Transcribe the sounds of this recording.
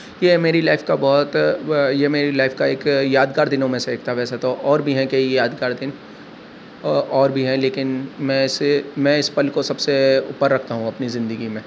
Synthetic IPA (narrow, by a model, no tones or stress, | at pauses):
jeːmeːɾilaːɪfkabɔːt̪jemeːɾilaːɪfkaeːkjaːd̪kaːɾd̪ɪnõmẽseeːk̚ʰt̪aɦʋɛːset̪oʔɔːɾbʱiɦɛ̃kejejaːd̪kaːɾd̪ɪn | ɔːɾbʱiɦɛ̃leːkɪnmɛ̃ɪsmɛ̃ɪspɐlkosɐbseʊ̰pːəɾːɐk̚ʰt̪aɦũɐpnizɪ̃nd̪əɡimẽː